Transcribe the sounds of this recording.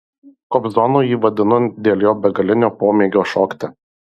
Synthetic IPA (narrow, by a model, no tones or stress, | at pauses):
kɔpzɔnuːjiːʋɐd̪ʲɪnʊd̪ʲeːlʲjoːbʲɛɡɐlʲɪnʲoːpoːmʲeːɡʲoːʃɔːkt̪ʲɛ